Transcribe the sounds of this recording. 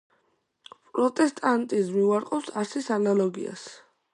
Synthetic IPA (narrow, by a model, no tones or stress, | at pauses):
pʼɾɔt̪ʼɛst̪ʼant̪ʼizmiuaɾqʼɔpsaɾsisanalɔɡḭa̰s